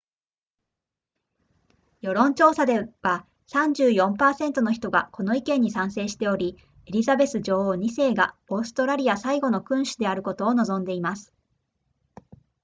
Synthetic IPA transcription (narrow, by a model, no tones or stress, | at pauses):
jo̞ɾõ̞ɲ̟t͡ɕo̞ːsad̪e̞βa | sãɲ̟d͡ʑɨːjõ̞mpaːsẽ̞nt̪o̞no̞çi̥t̪o̞ɡako̞no̞ikẽ̞ɲ̟ːisãɰ̃se̞ːɕi̥t̪e̞o̞ɾʲi | eɾʲizabe̞sɨd͡ʑo̞ːoːɲ̟ise̞ːɡa̰o̞ːsɨ̥t̪o̞ɾaɾʲijasaiɡo̞no̞kɯ̟̃ɰ̃ɕid̪e̞aɾɯ̟ko̞t̪o̞ːno̞zõ̞nd̪e̞imasɨ̥